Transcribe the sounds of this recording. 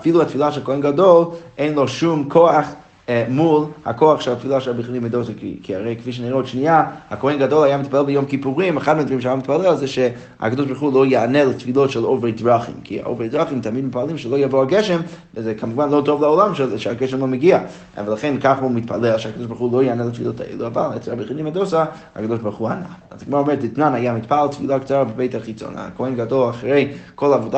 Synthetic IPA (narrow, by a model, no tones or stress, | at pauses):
afilˠuatfilˠaʃɛlˠkohɛnɡadolˠeɪnlˠoʃumkʰoaχ | mulˠha̰koaχʃɛatfilˠaʃɛabɪχlimɪdoskkʰiaɾeɪkɪfiʃ̬əniʁɛotʃniaakohɛnɡadɔlˠajaːmɪt̪̚palˠɛlˠbɪjomkipuʁimaχadmɪntvʁimʃajamɪtpalˠɛlzɛʃɛ | a̰kadoʃbaɾuχulˠojaanɛlˠtfilˠotʃɛlˠovɛdvaχḭmkʰia̰ʔo̰vedʁaχimtamidmɪtpalˠimʃɛlojavoaɡɛʃɛmvɪzɛkʰamuvanlˠotovlˠaɔlˠamʃɛzɛʃɛaɡɛʃɛmlˠomeɡia | vlˠaχɛnkaχomɪtpʰa̰lˠɛlˠʃɛakadoʃbaɾχulˠojaanɛlˠatfilotʰa̰ḛlˠʔuava̰lˠɛt͡sabəχinimadosa | a̰kadoʃbaɾχuana̰azaɡɪmaɾaɔːmɛɾɛtlɪtnanajamɪt̪palˠt̪filˠakt͡saɾabəbeɪtaχit͡so̰na̰kohɛnɡadolˠaχɾeɪkʰolˠavoda